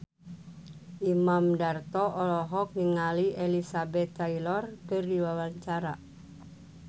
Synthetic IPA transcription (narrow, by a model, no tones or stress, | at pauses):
ʔimamdart̪ɔʔɔlɔɦɔk̚niŋalielisabɛt̪ːailɔrkɨrdiwawaɲt͡ʃaɾa